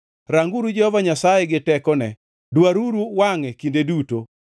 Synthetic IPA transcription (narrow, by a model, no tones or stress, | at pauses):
ɾaŋɡuɾud͡ʒɛhɔvaɲasajeɡɪtɛkɔnɛ̰ | dwaɾuɾuwaŋekindeduto